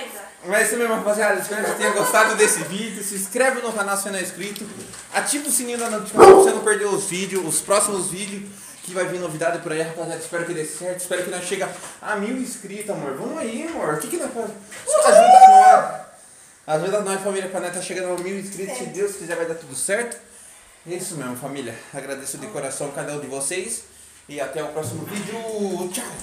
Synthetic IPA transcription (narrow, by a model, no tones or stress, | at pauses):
a | mɛzesɐmezmɐ̃fazẽad̪ɪspẽɐet̪ẽj̃ɐɡost̪ad̪ʊd̪esɪvid͡ʒɪʊsɪskɾɛvɪʊ̃nokanawsẽnɐ̃w̃iskɾit̪ʊ | at͡ʃivʊsĩnĩd̪ɐnɐ̃w̃t͡ʃi̥kãvosenɐ̃w̃peɾd̪ewʊzvid͡ʒɪʊʊspɾɔsimʊzvid͡ʒjʊ | kɪvajvĩɾnovid̪ad̪ʊɪpʊɾaiɦapazad̪ʊɪ̥spɛɾʊkɪd̪ejsɪ̥sɛɾt̪ʊispɛɾʊkɪnɐ̃w̃ʃeɡɐamiwĩskɾit̪ʊamoɾvõmʊaimoɾʊkɪkɪnɐ̃w̃fazt̪aʒ̃aaɐ | azvezɪznɐ̃w̃ɛfamiljɐpɾanɛ̃t̪aʃeɡɐ̃d̪̃miwĩskɾit̪ʊsɪd̪ewskizɛɾvajd̪aɾt̪ud̪ʊsɛɾt̪ʊ̥ | esʊmemʊfamiljɐaɡɾad̪esʊd̪ekoɾasɐ̃w̃kad̪ɐũd̪ɪvoses | ɪat̪ɛʊpɾɔsimʊvid͡ʒʊt͡ʃa